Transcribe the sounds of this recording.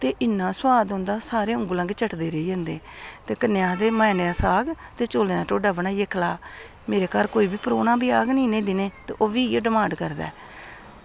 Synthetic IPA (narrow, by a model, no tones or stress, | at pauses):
t̪eːʔɪnːãːswaːd̪ɦʊ̃ːnd̪aːsaːɾeːʊ̃ŋɡuːlə̃ŋɡet͡ʃəʈd̪eːɾəiːd͡ʒə̃ːnd̪eː | t̪eːkənɪjaːd̪eːmaːneaːsaːɡt̪eːt͡ʃoːlẽãːʈoːɖəʋnãːjeːkʰlaː | meːɾeːkəɾkoːiːbiːpəɾoːnãːbiːaːɡnĩːnẽːd̪ɪneːt̪ḛːʔoːʋiːeɖɪmãːɳɖkəɾd̪a̰ː